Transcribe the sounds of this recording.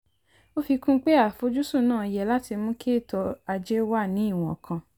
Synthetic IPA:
o˦fi˧kũ˦k͡pe˦a˦˨fo˨˦d͡ʒu˦sũ˦˨nãː˦˨i˨jɛ˨la˦ti˧mũ˦kʰe˦˨tɔ˧a˧d͡ʒe˦wa˦˨nĩ˨˦i˦˨w̃ɔ̰̃˨kʰã˧

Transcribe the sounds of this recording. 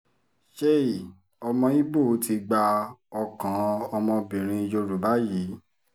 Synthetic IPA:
ʃe˦i˨ | ɔ˧mɔ̃˧i˦bo˦˨˦ti˧ɡ͡ba˧ɔ˧kã˨˦ɔ˧mɔ̃˧bĩ˨ɾ̃ĩ˧i˧d͡ʒo˧ɾu˨ba˦ji˨˦

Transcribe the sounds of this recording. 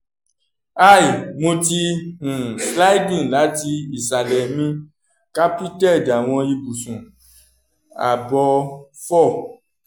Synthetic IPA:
a˦˨i˨mo˧ti˧ũ˨sla˦i˦dĩ˦˨la˨˦ti˧i˨sa˨lɛ˨mĩ˧ | ka˦pi˦tɛ˦˨da˨w̃ɔ̃˧i˧bu˨sũ˨ | a̰˨bɔ˧fɔ˦˨

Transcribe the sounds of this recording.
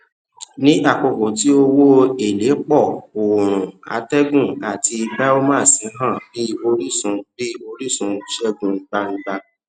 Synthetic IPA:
nĩ˦ʔa˦˨k͡po˨˧ko˨ti˨˦o˧wo˦e˦˨le˨˦k͡pɔ˦˨o˨ɾ̃ũ˨a̰˨˦tɛ˦ɡũ˦˨a˨ti˧bɛ˦o˦mãː˦˨sĩ˨˦ɦã˦˨bi˦o˧ɾi˦sũ˧bi˦o˧ɾi˦sũ˧˦ʃɛ˦ɡũ˧˦ɡ͡ba˧ñ̩˦ɡ͡ba˧

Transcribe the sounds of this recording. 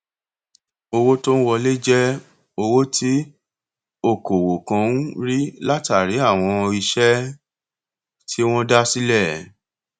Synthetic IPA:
o˧wo˦to˦n̩˦wɔ˧le˦d͡ʒɛ˦ | o˧wo˦tʰi˦ | o˦˨ko˨wo˨kã˧˦n̩˦ɾi˦la˦ta˨ɾe˨˦a˦˨w̃ɔ̃˧i˧ʃɛ˦ | tʰi˦w̃ɔ̃˦da˦si˦lɛ˦˨˦

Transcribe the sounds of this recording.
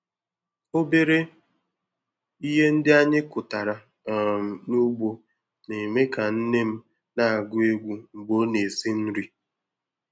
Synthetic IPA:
o˦be˦ɾe˦ | i˦ɦe˦n̩˦dɪ˦a˦ɲɪ˦kʊ˨ta˨ɾa˨ | nu˦ɡ͡bo˦ | ne˨me˦ka˨n̩˦ne˦m̩˦ | na˦a˨ɡʊ˦e˦ɡʷu˦ŋ͡m̩˨ɡ͡bo˨˦ne˨si˦n̩˦ɾi˦

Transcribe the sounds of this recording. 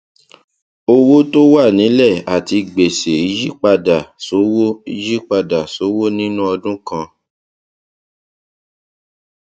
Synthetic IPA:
o˧wo˦to˦wa˦˨nĩ˨˦lɛ˦˨a˨ti˧ɡ͡be˨se˨i˨˧d͡ʒi˦k͡pa˧da˨so˨˦wo˦i˧d͡ʒi˦k͡pa˧da˨so˨˦wo˦nĩ˦nũ˦ɔ˧dũ˦kã˧

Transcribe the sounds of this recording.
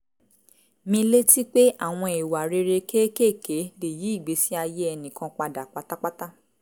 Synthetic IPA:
mĩ˧le˦ti˦k͡pe˦a̰˦˨w̃ɔ̃˧e˨wa˨ɾe˧ɾe˧ke˦ke˦˨ke˨˦de˨ji˨˦i˦˨ɡ͡be˨˦si˦a˧je˦ɛ˧nĩ˨kã˧k͡pa˧da˨k͡pa˦ta˦k͡pa˦ta˦

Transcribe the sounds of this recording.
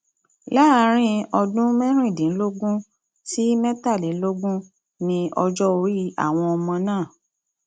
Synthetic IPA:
la˦˨˧ɾ̃ĩ˦ɔ˧dũ˦mɛ̃˦ɾ̃ĩ˦˨dĩ˨n̩˦lo˦ɡũ˦ | si˦mɛ̃˦ta˦˨li˨˦lo˦ɡũ˦ | nĩ˧ɔ˧d͡ʒɔ˦o˧i˦a̰˦˨w̃ɔ̃˧ɔ˧mɔ̃˧nãː˦˨

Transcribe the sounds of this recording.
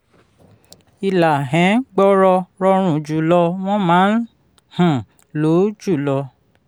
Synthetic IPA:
i˨la˨ɦɛ̃˨˦ɡ͡bɔ˦ɾɔ˧ɾɔ˧ɾ̃ũ˨d͡ʒu˨lɔ˧w̃ɔ̃˦mãː˨˦n̩˦ | hũ˨ | lo˨˦d͡ʒu˦˨lɔ˧

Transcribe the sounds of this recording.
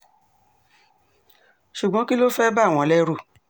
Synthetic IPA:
ʃu˨ɡ͡bɔ̃˨˦ki˦lo˦fɛ˦ba˦˨w̃ɔ̃˨˧˦lɛ˦ɾu˦˨

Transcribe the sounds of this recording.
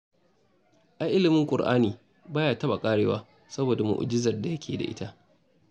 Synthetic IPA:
ʔa˨ʔɪ˦lɪ˨mɪ˦ŋkʷʼʊ˨ɽʔa̰ː˦niː˨ | baː˦jaː˨tɐ˦ba˨kʼaː˦ɽeː˦waː˦ | sɐ˦boː˨da˨mʊ̰˨ʔʊ̰˨d͡ʒɪ˦zɐ˨rda˨jɐ˦kʲʰeː˨da̰˨ʔɪ̰˦ta˦ʔ

